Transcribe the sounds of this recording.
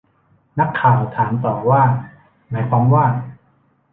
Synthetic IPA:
na˦˥kʰːaː˨˩wt̪ʰaː˩˦nt̪ɔː˨˩waː˥˩ | maː˩˦jpʰɔ˧˥ŋwaː˥˩

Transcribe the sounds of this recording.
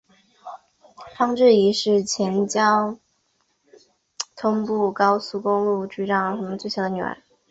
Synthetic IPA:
fɑ˥ŋʈ͡ʂɻ̩˥˩i˧˥ʂɻ̩˥˩t͡ɕʰjɛ˧˥nt͡ɕjɑ˥ʊ | t̪ʰʊ˥ŋpu˥˩kɑ˥ʊsu˥˧kʊ˥ŋlu˥˧˩ʈ͡ʂy˥˩ʈ͡ʂɑ˥˩ŋ˧xʰa˥mə˧nt͡swe˥˩ɪɕjɑ˥˩d̪ə˧˩y̰˨˩ə̰˧˥

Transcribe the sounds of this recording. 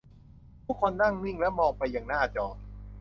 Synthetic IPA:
t̪ʰu˦˥kʰːo˧nːa˥˩ŋni˥˩ŋlɛ˦˥mɔː˧ŋpa˧jːaː˨˩ŋnaː˥˩t͡ɕɔː˧˩

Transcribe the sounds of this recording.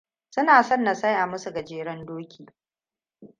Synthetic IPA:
sʊ˦naː˨sɔ˦˨nːa˨sɐ˦jʔa˨mʊ˦su˨ɡɐ˨d͡ʒeː˨ɾɐ˦ndoː˦kʲʰiː˨

